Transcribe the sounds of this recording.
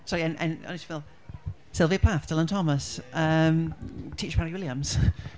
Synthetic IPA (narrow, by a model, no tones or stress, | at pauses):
sɔɹiə̃nʔə̰̃nə̰nɪsfɪlˠ | sɪlˠviəpʰaθd̥ʰɛlə̃ntʰɒməsʔʌ̃mtʰiˑt͡ʃpʰaɹiwɪlˠjə̃mz̥